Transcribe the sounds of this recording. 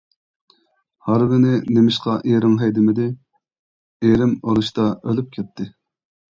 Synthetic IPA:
hɑɾbɪnɪnemɪʃqʰɑʔeɾɪŋɦɛjd̪ɪmɪd̪ɪ | eɾɪmoɾuʃt̪ɑølyp̚kʲʰɛt̪̚ʰːɪ

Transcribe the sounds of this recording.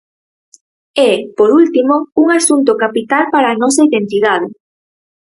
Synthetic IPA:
ɛpoɾult̪imouŋasunt̪ʊkapit̪alpaɾaːnɔsɐiðent̪iðað̞ɪ

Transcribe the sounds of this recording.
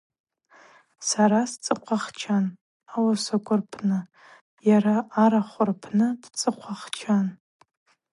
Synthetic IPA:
saɾast͡sʼɨqʷʰaχt͡ʃʰan | awasakʷʼʊrpʰnɨ | jaɾaːɾaχʷʊrpʰnɨdt͡sʼɨqʷʰaχt͡ʃʰan

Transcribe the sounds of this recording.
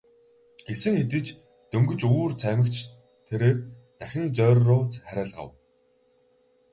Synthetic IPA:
ɡ̥esɘ̆ŋxet̪ɘ̆t͡ɕ | t̪ɵŋɡɵ̆t͡ɕuːrt͡sʰæmʲɘ̆kt͡ɕʰ | t̪ʰeɾeːrt̪æxʲɪ̆nt͡sœːrːʊːt͡sχæɾʲæːɮʁə̰̆w

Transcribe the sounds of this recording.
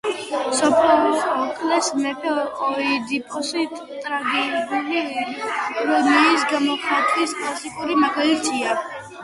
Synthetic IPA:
sɔpʰlɔɾismɔkʰlɛsmɛpʰɛɔɾqʼɔid̪ipʰʼɔsit̪ʼ | t̪ʼɾaɡɛɡulikʼɔlɔniːsɡamɔkʰat̪ʼwiskʼlˠasikʼuɾimaɡalit̪ʰia

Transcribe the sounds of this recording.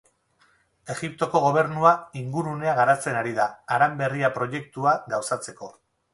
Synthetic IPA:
e̞ɣip̚t̪o̞ko̞ɣ̞o̞β̞e̞ɾnuaiŋɡuɾune̞aɣaɾat͡se̞naɾiðaːɾambe̞riapɾo̞je̞kt̪uaɣawsat͡se̞ko̞

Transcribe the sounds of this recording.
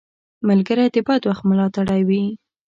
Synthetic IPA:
malɡəɾat̪ɪbɑt̪waxt̪mʊlɑt̪aɽawi

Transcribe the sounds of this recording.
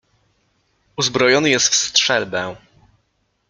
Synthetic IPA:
uzbɾɔjɔnɘjɛst̪fst̪ʂɛlbɛ̃

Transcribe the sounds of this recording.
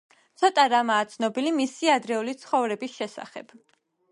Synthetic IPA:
t̪sʰɔt̪ʼaɾamaːt̪sʰnɔbilimisiad̪ɾɛulit̪sʰχɔvɾɛbisʃɛsa̰χɛb̥

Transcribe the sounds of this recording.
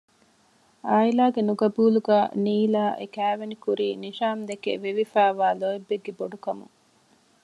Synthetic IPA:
aːilaːɡenuɡɐbuːluɡæːniːlaːʔekæːʋenikuɾiːniʃaːmd̪ekḛʋiʋifæːʋaːloebːeɡːeboɖukɐmṵŋ

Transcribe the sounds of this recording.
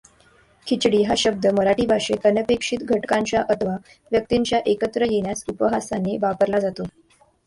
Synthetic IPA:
kʰit͡ɕɽiːɦaɕəb̚d̪əməɾaʈiːbʱaʂekənəpekʂit̪ɡʱəʈkaɲt͡ɕjaʔət̪ʰʋa | ʋjək̚t̪iɲt͡ɕjaʔekət̪ɾəjeɳ̃jasupəɦasaneʋapəɾlad͡zat̪o

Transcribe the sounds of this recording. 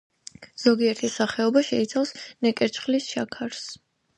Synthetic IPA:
z̥ɔɡiɛɾt̪ʰisaχɛɔbaʃɛit̪sʰafsnɛkʼɛɾt͡ʃʰʼχlisʃakʰaɾs

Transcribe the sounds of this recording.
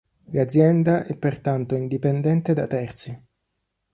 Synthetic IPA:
lad̪zːjɛnd̪aʔɛpːert̪ant̪oind̪ipend̪ɛnt̪ed̪a̰t̪ːɛrt̪si

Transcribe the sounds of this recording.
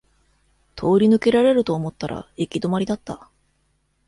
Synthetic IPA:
t̪ʰo̞ːɾʲinɯ̟ke̞ɾaɾe̞ɾɯ̟t̪o̞ːmo̞t̪ːaɾʔa̰ekʲid̪o̞maɾʲid̪at̪ːa

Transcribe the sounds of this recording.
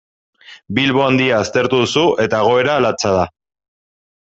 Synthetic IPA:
bilβo̞and̪iaːst̪e̞ɾt̪uðusuʔe̞t̪aeɣ̞o̞e̞ɾaːlat͡sað̞a

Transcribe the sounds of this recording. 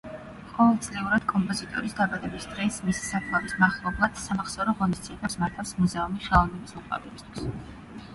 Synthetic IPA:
qʼɔvɛlˠt̪sʰʼlɛuɾad̪̥kʼɔmpʼɔzit̪ʼɔ̰ɾisd̪abad̪ɛbisd̪ʁɛsmisi̥sakʰlˠavismaχlˠɔblˠad̪̥samaχsɔɾɔʁɔnist̪siɛbɛpsmaɾt̪ʰafsmuzɛumiʃalˠɔnɛbisuqʼvɛ̰bɛbist̪ʰwis

